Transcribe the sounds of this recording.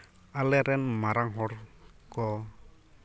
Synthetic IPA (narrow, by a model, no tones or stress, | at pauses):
alɛɾɛnmaɾaŋɦɔɾkɔ